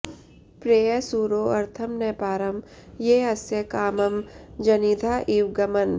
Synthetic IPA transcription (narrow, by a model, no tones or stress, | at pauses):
pɾeːjɐsuːɾoːɐɾt̪ʰɐmnepaːɾɐm | jeːɐsjɐkaːmɐmd͡ʒɐnid̪ʱaːʔiːwɡɐmɐn